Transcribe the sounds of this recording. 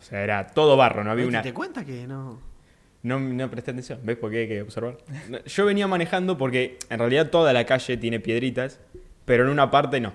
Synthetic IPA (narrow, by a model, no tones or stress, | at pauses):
o̥seaeɾat̪o̞ðo̞βaro̞noaβiaaunat̪ekwent̪akeno | nonopɾet̪eat̪e̞nsjo̞nbe̞spoɾkeajkeoβseɾβaɾnoʃo̞βe̞niamane̞xand̪o̞p̬o̞ɾke̞enrealiðat̪o̞ðalakaʃe̞t̪je̞ne̞pje̞ð̞ɾit̪as | peɾo̞enũnapaɾt̪e̞no̞